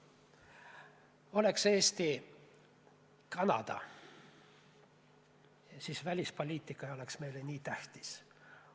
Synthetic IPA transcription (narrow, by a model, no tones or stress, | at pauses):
o̞le̞kse̞ːst̪i | kɑnɑ̰d̪̥ɑ̰ | siːsvælʲispo̞lʲiːt̪ˑːikːˑɑjo̞le̞ksme̞jlenʲiːt̪æht̪i̥s